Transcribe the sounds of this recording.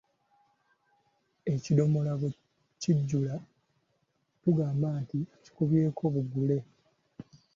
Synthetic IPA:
e̞cido̞mo̞laɡo | ciɟːula | tuɡaːmbaːntici̥kuβje̞ːkʰo̞ːβuɡule̞

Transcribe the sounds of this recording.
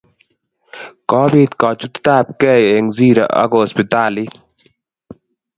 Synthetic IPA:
kɔːbiːt̪kaːt͡ʃut̪t̪aːp̚keːjeŋziːɾɐ̰ʔɐ̰ɡoːspit̪aːli

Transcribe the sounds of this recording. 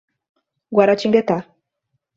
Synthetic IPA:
ɡwaɾat͡ʃiŋɡɛt̪a

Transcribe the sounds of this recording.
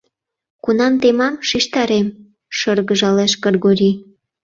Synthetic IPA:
kunɑmt̪emɑmʃiʃt̪ɑɾem | ʃɤrɣəʒɑleʃkərɣoɾʲi

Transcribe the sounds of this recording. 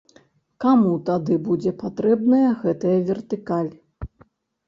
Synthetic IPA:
kamut̪ad̪ɨbud͡zʲɛpat̪ɾɛbnɐjɐɣɛt̪ɐjɐvʲɛrt̪ɨkalʲ

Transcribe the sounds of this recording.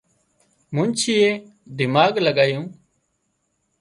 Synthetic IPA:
mʊ̃ːnt͡ʃʰiːeː | d̪ɪmaːɡləɠaːjũː

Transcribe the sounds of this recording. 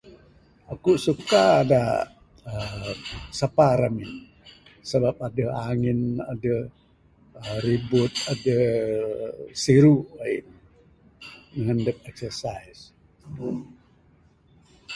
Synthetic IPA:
akuʔsukaːda | ə | sapaɾamɪn | səbap̚adəhaŋɪna̰dəh | əɾibʊt̪̚adəh | siɾuai | məŋəndəp̚ɛksərsais

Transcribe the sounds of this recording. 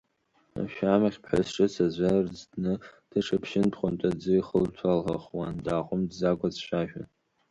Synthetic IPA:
a̰ʃᶣamaχʲpʰħasʈ͡ʂʼɨsazʷarzdnɨd̥aʈ͡ʂʰapʰʃɪntʰχʷʊntʼad͡zɨiχəltʰalhaχwandaːqʼʊmdzaɡʷʼat͡sʃʷᶣaʒᶣa̰n

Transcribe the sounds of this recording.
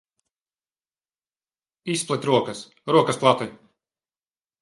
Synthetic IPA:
isplˠɛt̪ʲɾuɔkɐs | ɾuɔkɐsplˠat̪i

